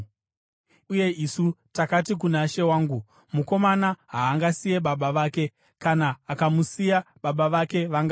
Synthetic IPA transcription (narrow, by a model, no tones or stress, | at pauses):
uje̞ʔisutakatik̬unaʃe̞waːŋɡu | muko̞manaɦaːŋɡasije̞ɓaɓaʋaːke̞ | kanaːkamusijaɓaɓaʋake̞ʋaŋɡa